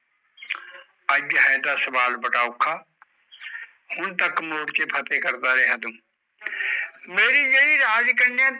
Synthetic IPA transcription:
ɐd͡ʒbɦajt̪asɐbaːlbɐʈaʊkʰaː | hʊnt̪ɐkmoːɽkepʰɐt̪ekɐɾt̪aɾɛɦɐd̪ũː | meːɾijɐiɾaːd͡ʒkəɳɖjã

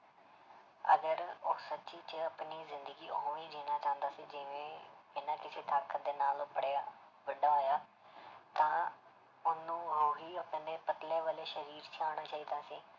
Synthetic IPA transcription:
ə̰ɡəɾoːsətːt͡ʃiːt͡ʃəəpniːzɪnd̪əɡiːoɦõːiːd͡ʒiːnaːt͡ʃãːə̃nd̪aːsiːd͡ʒɪʋẽːɪnãːkɪseːt̪ʰaːɾkʰəd̪eːnaːlʊpɽea | ʋəɖaːoːjaː | t̪ãː | ʊnːũːaːɦiːəpːneːpət̪leːʋəleːʃəɾiːɾt͡ʃʰiaːɽ̃aːt͡ʃaːiːd̪aːsiː

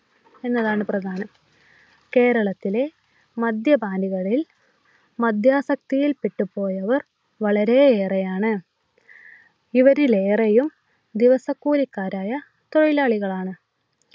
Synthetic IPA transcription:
e̞nːɐðaːɳɨprɐd̪ʱaːnɐm | ke̞ːɾɐɭɐt̪ːile̞ | mɐd̪jɐbʱaːniɣɐɭil | mɐd̪ʱjaːsɐk̚t̪ijilpiʈːupo̞ːjɐʋɐr | ʋɐɭɐɾe̞eːrejaːɳɨ | iʋɐɾile̞ːrejum | d̪iʋɐsɐkːuːlikːaːɾaːjɐ | t̪o̞ɻilaːɭiɣɐɭaːɳɨ

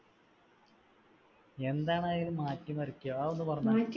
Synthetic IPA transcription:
e̞nd̪aːɳaːɡilumːaːtʲːumɐɾikʲːujoaːo̞nːupɐrɐɲmːaːtʲː

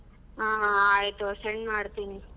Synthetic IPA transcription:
ɦãːɦãaːjt̪useɳɖmaːɽt̪iːni

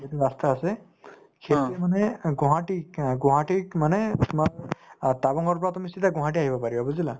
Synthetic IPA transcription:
zɔdibast̪aːsɛ | kʰetemanɛɡɔ̃ɦãʈiɡɔ̃ɦãʈikmanɛt̪umaɹt̪abɔŋɔɹpɔɹat̪umisit̪aɡɔ̃ɦãʈiaɦibɔpaɾibabɔzila

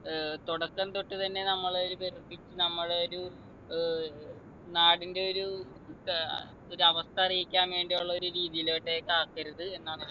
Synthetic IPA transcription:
t̪oɽɐkːɐnt̪oʈːuɨt̪ɐnːe̞nɐmːɐɭoɾuperipːit͡ɕːɨnɐmːɐɭeoɾu | naːɽinde̞o̞ɾu | oɾuɐʋɐst̪ʰɐɐrijikʲːaːmʋe̞ːɳɖijuɭːɐo̞ɾuɾiːðijiloːʈːekaːkːɐɾuðɨe̞nːaːɭ

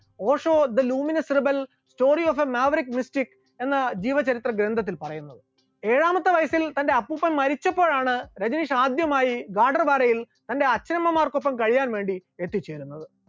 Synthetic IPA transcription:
o̞ːʂo̞ːd̪ɐluːminɐsrɨbɐl | sto̞ːrioːfemaːʋɐrikmistikː | e̞nːɐd͡ʑiːʋɐt͡ɕɐɾit̪rɐɡɾend̪ʱɐt̪̬ːilpɐrɐjunːɐðɨ | e̞ːɻaːmɐt̪ːɨʋɐjɐsilt̪ɐnde̞ɐpːupːɐmːɐɾit͡ɕːɐpːo̞ːɭaːɳɨɾɐd͡ʑɐniʂaːd̪jɐmaːjiɡaːɖɐrbaːɾɐjil | t̪ɐnde̞ɐt͡ɕːɐɾɐmːɐmaːrkopːɐmkɐɻijaːnʋe̞ːɳɖiet̪ːit͡ɕːe̞ːɾunːɐðɨ

